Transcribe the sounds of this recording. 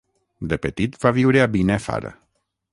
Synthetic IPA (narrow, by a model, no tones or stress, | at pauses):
d̪epet̪it̪vaviwɾeabinefa̰ɾə̰